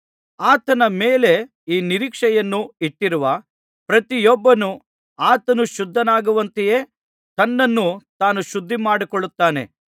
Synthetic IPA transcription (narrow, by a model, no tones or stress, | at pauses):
aːt̪ɐnɐmeːle̞ | iːniɾiːkʂɛjɐnːuiʈːiɾuʋɐ | pɾɐt̪ijɔbːɐnu | aːt̪ɐnuʃud̪ʱːɐnaːɡuʋɐnt̪ije̞ː | t̪ɐnːɐnːut̪aːnuʃud̪ʱːimaːɽikɔɭut̪ːaːne̞̰